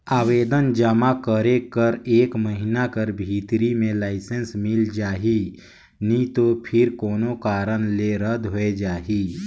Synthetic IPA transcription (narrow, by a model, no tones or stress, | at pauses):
aːweːd̪ənd͡ʒəmakəɾekəɾeːkməɦinakəɾbʱiːt̪ɾimẽlaːɪsə̃nsmɪld͡ʒaːɦi | nĩt̪opʰɪɾkoːnokaːɾənleɾəd̪ɦoed͡ʒaːɦiː